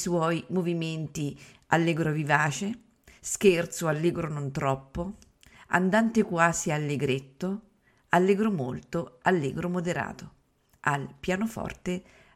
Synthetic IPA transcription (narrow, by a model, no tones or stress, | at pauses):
swɔjmoviment̪i | a̰lːeɡɾovivaːt͡ʃe | skert̪soalːeːɡɾonont̪ɾɔpːo | a̰nd̪ant̪ekwaːzialːeɡɾet̪ːo | alːeɡɾomo̰lt̪oalːḛːɡɾomod̪eɾa̰ːt̪o | a̰lpjaːnofɔ̰rt̪e